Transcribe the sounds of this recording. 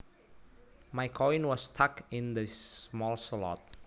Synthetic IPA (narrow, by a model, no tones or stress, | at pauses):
majkʰɔĩnwɔstʰakɪ̃ndəsmɔlsəlɔ̰t̚